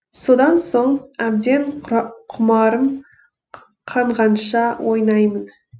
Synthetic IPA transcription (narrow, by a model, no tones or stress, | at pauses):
so̞d̪ɑnso̞ɴæb̚d̪e̞ɴqʰʊmɑɾəm | qʰɑɴʁɑnʃɑwʔo̞jnɑjmən